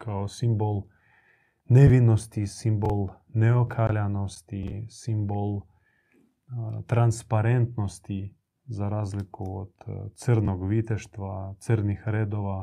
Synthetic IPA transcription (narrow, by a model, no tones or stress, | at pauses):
kʰaosimbolˠ | neʋinost̪isimbol | neokʰalanost̪isimbol | t̪ɾanspaɾent̪nost̪i | zaɾaːzlikuo̰d̪t̪sərnoɡʋit̪eʃt̪ʋat̪səɾnixɾeːd̪oʋa